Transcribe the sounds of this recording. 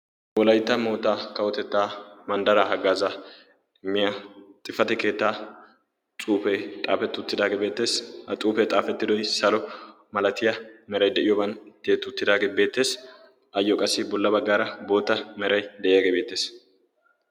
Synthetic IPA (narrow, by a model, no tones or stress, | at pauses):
wɔlɐjt̪ːɐmo̞ːt̪ːaːkɐwɔt̪ɛt̪ːaːmɐnd̪ɐɾaːɦɐɡːaːza | ɪmːɪjat̪ʼɪfɐt̪ɛke̞ːt̪ːaː | t͡sʼuːfɛjt̪ʼaːfɛt̪ːʊʊt̪ːɪd̪aːɡebe̞ːt̪ːe̞ːshɐt͡sʼuːpɛt̪ʼaːfɛt̪ːɪd̪ɔjsɐlɔ | mɐlɐt̪ɪjɐmɛɾɐjd̪ɛʔɪjɔbɐnt̪ːjeːt̪ːʊt̪ːɪd̪aːɡeːbe̞ːt̪ːe̞ːs | ʔɐjːɔkʼɐsːɪbɔlːɐbɐɡːaːɾɐbo̞ːt̪ːɐmɛɾɐjd̪ɛʔɪjaɡebe̞ːt̪ːe̞ːs